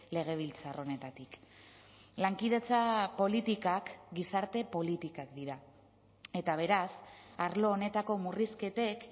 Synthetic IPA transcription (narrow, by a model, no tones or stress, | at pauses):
le̞ɣ̞e̞β̞ilt͡saro̞ne̞t̪at̪ik | laŋkiðe̞t͡sapo̞lit̪ikakɡisaɾt̪e̞po̞lit̪ikakd̪iɾa | e̞t̪aβ̞e̞ɾasaɾlo̞ːne̞t̪ako̞muriske̞t̪e̞k